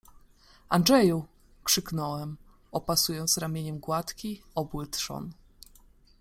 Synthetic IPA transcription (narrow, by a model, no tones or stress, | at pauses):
anʐɛju | kʂɘknɔwɛm | ɔpasujɔnt̪sɾamʲjeɲɛmɡwat̪kʲiɔbwɘt̪ʂɔ̰n